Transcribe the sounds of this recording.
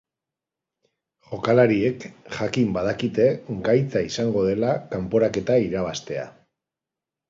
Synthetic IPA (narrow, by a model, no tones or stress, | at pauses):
ʝo̞kalaɾie̞kʝakimbað̞akit̪e̞ɡajt͡saisaŋɡo̞ð̞e̞lakampo̞ɾake̞t̪aiɾaβast̪e̞a̰